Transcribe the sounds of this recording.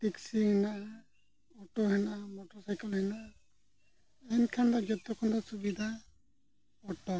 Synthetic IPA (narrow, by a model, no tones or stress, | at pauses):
tiksihɛnaʔa | ɔtɔhɛnaʔamɔtɔsajkɔlhɛnaʔa | ɛnkʰandaɡɛtɔkʰɔndɔsubidʱa | ɔtɔ